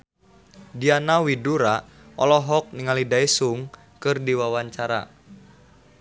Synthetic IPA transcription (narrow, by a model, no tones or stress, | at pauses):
dianawiduɾa | ɔ̰lɔɦɔk̚niŋalidaisuŋ | kɨrdiwawaɲt͡ʃaɾa̰